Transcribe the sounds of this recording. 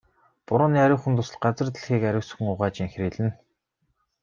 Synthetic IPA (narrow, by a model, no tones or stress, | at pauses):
pʊɾʊːniːæɾʲʊːχŭnt̪ʊːs̆ɮɢat͡sə̆rt̪̆ɮxiːkæɾʲʊ̆ːsxɘ̆ŋʊʁaːt͡ɕiŋxriːɮɘ̆n